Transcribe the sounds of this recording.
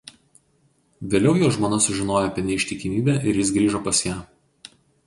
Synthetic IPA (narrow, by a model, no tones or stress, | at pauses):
ʋʲeːlʲɛʊjoːʒmoːnɐsʊʒʲɪnoːjɛɐpʲiɛnʲɛɪʃʲt̪ʲɪkʲɪmʲiːbʲæːʔɪɾjɪsɡɾʲiːʒopɐsjæː